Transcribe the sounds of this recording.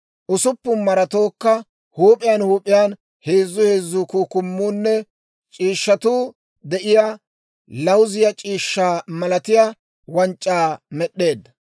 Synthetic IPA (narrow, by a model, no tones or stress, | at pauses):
ʔʊsʊpːʊmɐɾɐt̪o̞ːkːɐ | huːpʼɪjanhuːpʼːɪjaːn | he̞ːzːʊhe̞ːzːʊkuːkʊmːuːnːɛ | t͡ʃʼiːʃːɐt̪uː | d̪ɛʔɪja | lɐwzɪjɐt͡ʃʼiːʃːaːmɐlɐt̪ɪja | wɐnt͡ʃʼːaːmɛɗːe̞ːd̪ːɐ